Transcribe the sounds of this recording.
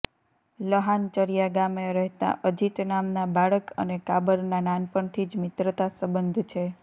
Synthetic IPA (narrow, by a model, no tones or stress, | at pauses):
ləɦant͡ʃəɾijaɡameɾɛɦt̪a̰ʔəd͡ʒit̪namnabaɭəkə̰nekabəɾnananpəɳt̪ʰid͡ʒmɪt̪ɾət̪asəbənd̪ʱt͡ʃʰe